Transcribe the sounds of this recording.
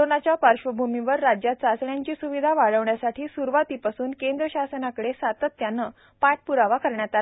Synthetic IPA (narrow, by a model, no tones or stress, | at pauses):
onat͡ɕjapaɾɕʋəbʱumiʋəɾːad͡ʑjat̪t͡sasɳjaɲt͡ɕiːsuʋid̪ʱaʋaɭəʋɳjasaʈʰiːsuɾʋat̪ipasuːnkend̪ɾəɕasənakəɽesat̪ət̪ːjanːə | paʈ̚puɾaʋakəɾɳjat̪al